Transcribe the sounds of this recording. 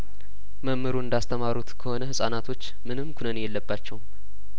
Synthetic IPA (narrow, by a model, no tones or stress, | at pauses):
məmːɨɾoɨnd̪ast̪ʰəmaɾut̪kʰəho̞nəhɨsʼanat̪ʰo̞t͡ʃːmɨnɨmːkʰunənjɛlːəbːat͡ʃːɛwm